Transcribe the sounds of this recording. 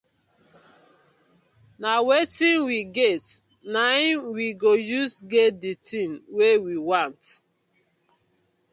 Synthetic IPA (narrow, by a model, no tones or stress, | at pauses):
nawetĩnwiɡet | naɪnwiɡojusɡetditĩnwewiwãnt